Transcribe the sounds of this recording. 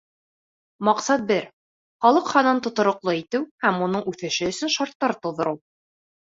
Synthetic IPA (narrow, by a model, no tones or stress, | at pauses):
mɑqsɑt̪̚bɘɾ | χɑlˠɤqχɑnɑnt̪ŏt̪ŏɾŏqlˠɤit̪ɘwhæmunɤɴʔʉθɘ̆ʃɘɵ̆sɵnʃɑɾt̪ːɑɾt̪ŏwðŏɾɤw